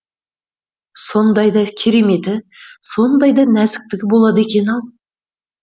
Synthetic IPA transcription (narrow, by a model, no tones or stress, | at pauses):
so̞nd̪ɑjd̪ɑkʲʰeɾeme̞t̪ɪso̞nd̪ɑjd̪ɑnæzɪk̚t̪ɪɡʲɪbo̞lˠɑd̪e̞kʲe̞nɑlˠ